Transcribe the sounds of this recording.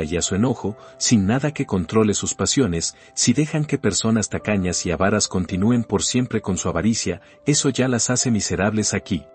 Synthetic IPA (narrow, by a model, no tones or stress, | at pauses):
aiasue̞no̞xo̞sinːaðake̞ko̞nt̪ɾo̞le̞suspasjo̞ne̞sː | iðe̞xaŋke̞pe̞ɾso̞nast̪akaɲasiaβaɾasko̞nt̪inue̞mpo̞ɾsje̞mpɾe̞ko̞nsuaβaɾisja | e̞so̞ʝalasase̞mise̞ɾaβle̞saki